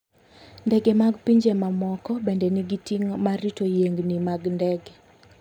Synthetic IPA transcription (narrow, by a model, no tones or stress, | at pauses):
ndɛɡɛmaɡpiɲd͡ʒemamɔkɔbɛndɛniɡitiŋmaɾitojeŋɡnimaɡndɛɡɛ